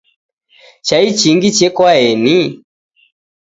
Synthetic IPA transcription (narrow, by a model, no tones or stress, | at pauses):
t͡ʃait͡ʃiŋɡit͡ʃɛkwaɛni